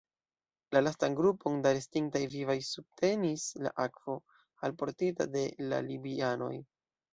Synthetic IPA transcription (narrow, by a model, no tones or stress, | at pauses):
lalastanɡɾupʰo̞ndaɾestiŋk̚tajvivajsub̥̚tʰe̞nisla̰ʔakv̥o̞ | alpo̞ɾtita̰de̞la̰libiano̞̰j